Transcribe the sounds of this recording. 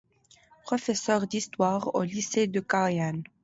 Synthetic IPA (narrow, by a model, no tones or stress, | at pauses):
pχɔfɛsœʁd̪ist̪waʁo̰lised̪əkaʁjan